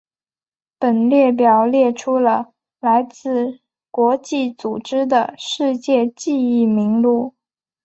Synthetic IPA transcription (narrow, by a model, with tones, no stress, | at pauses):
pə˨˩nljɛ˥˩p̬jɑ˨˩ʊljɛ˥˩ʈ͡ʂʰu˥lə˨ | la˧˥ɪt͡sɹ̩˥˩ | kwɔ˧˥t͡ɕi˥˩t͡su˨˩ʈ͡ʂɻ̩˥d̪ə˨˩ʂɻ̩˥˧t͡ɕjɛ˥˧t͡ɕi˥˧i˥˩mi˧˥ŋlu˥˩